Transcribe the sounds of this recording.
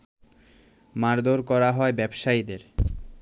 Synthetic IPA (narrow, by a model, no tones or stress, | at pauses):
maɾd̪ʱoɾkɔɾaɦɔebɛbʃaid̪eɾ